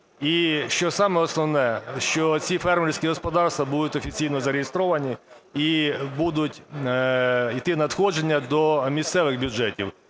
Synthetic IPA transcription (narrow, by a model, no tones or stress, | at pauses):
iʃt͡ʃɔsɑmɛɔsnɔʋnɛʃt͡ʃɔt͡sʲifɛrmeɾʲsʲkʲiɦɔspɔd̪ɑrst̪ʋɐbud̪ʊtʲɔfʲit͡sʲijnɔzɐɾejest̪ɾɔʋɐnʲiibud̪ʊtʲ | it̪ɪnɐd̪xɔʒenʲːɐd̪ɔmʲist̪sɛʋɪɣbʲʊd͡ʒɛtʲiw